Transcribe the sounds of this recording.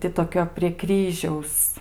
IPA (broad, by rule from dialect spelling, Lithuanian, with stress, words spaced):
ˈtʲɪ toːˈkʲoː pʲrʲiɛ ˈkrʲiːʒʲɛʊs